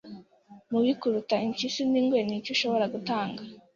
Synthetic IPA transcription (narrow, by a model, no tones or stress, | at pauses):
muβikuɾutaiɲcisuniːŋɡwenicuʃo̞βo̞ɾaɡutaːŋɡa